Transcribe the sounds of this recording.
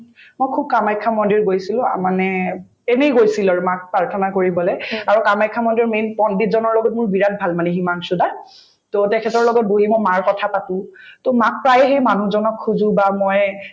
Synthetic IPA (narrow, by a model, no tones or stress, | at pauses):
mojkʰub̚kamajkʰamɔndiɹɡojsilʊ̃a̰manɛ | ɛnejɡojsilaɹumak̚pɹaɹtʰɔnakoɹibɔlɛaɹɔkamajkʰːamɔndiɹmenpɔnbitzɔnɔɹlɔɡɔt̚mʊɹbiɹat̚bʱalmanɛɦimaŋsʊ̃da | totɛkʰɛtɔɹlɔɡɔt̚boɦimɔjmaɹkɔtʰapatʊ̃tomak̚pɹajɦejmanuzɔnɔkʰːuzũbamɔj